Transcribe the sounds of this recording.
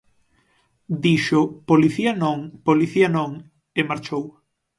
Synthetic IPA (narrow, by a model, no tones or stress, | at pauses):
d̪iʃopoliθiɐnõŋpoliθianõŋ | emaɾt͡ʃow